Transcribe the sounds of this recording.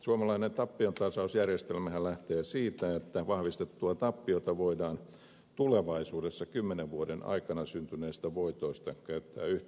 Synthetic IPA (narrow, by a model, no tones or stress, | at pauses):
suomɑlɑinent̪ɑpːiont̪ɑsɑusjærjest̪elmæhællæht̪eːsiːt̪æet̪ːæʋɑhʋist̪et̪ːuɑt̪ɑpːijot̪ɑʋoidɑːn | t̪uleʋɑisuːdesːɑkymːeneʋʋuodenɑ̰ikɑnɑsynt̪yneːst̪æʋoit̪oist̪ɑkæyt̪ːæ̰ːyh̪